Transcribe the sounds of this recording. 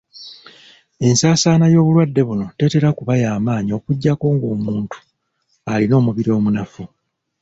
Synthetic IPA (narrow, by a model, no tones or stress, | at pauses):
e̞nsaːsaːnajo̞ːβulwadːe̞βuno̞te̞te̞ɾakuβajaːmaːɲio̞kuɟːako̞ːŋɡoːmuːntu̥ | alino̞ːmuβiɾio̞ːmunafu